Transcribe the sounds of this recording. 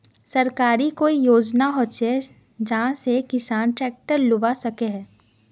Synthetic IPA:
sɐɾkaːɾikoːijoːd͡ʒnaɦoːt͡ʃe | d͡ʒɐɦãsekɪsaːnʈɾɛːk̚ʈəɾlʊʋasɐkeɦɛ̃ː

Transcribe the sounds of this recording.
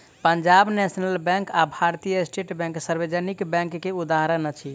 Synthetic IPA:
pənd͡ʒabnɛsnəlbɛ̃kabʱaɾt̪ijəsʈeʈbɛ̃ŋksəɾbed͡ʒənikbɛ̃ŋkːeud̪aɦɾənət͡ʃʰi

